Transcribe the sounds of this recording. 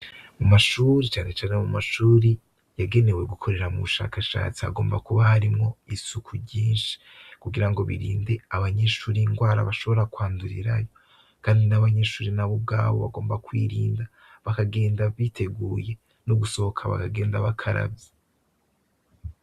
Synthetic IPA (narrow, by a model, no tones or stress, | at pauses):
mumaʃuːɾit͡ʃaːne̞t͡ʃaːnemumaʃuːɾi | jaɡe̞ne̞we̞ɡukʰo̞ɾe̞ɾamṵβuʃa̰ːkaʃa̰ːt͡sia̰ɡo̞ːmbakuβahaɾimŋo̞isukʰuɟiːnʃi̥ | kuɡiɾaŋɡo̞βḭɾḭːnde̞aβaɲe̞ʃuːɾiŋɡwaːɾa̰βaʃo̞βo̞ɾakwaːnduɾḭɾajo̞ | kaːndinaβaɲe̞ʃuːɾinaβub̚ɡa̰ːβo̞βa̰ɡo̞ːmbakwḭːɾiːnda | βakaɡe̞ːndaβitʰe̞ɡuːje̞ | nuɡuso̞hokʰaβa̰kaɡe̞ːndaβakʰaɾa̰bje